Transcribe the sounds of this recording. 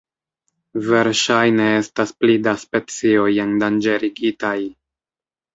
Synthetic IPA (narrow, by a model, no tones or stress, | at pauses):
ve̞ɾʃajne̞e̞stasplidaspe̞t͡sio̞jendand͡ʒe̞ɾiɡitaj